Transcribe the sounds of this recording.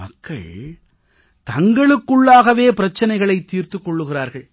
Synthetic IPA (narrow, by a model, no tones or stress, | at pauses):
mɐkʰːɐ̰ɭ | t̪ɐŋɡɐɭɯkːɯɭːaːɣɐʋeːpɪɾɐt͡ʃːɐnɐɪɣɐɭɐɪt̪ːiːɾt̪ɯkːɔɭːɯɣɪraːɾɣɐɭ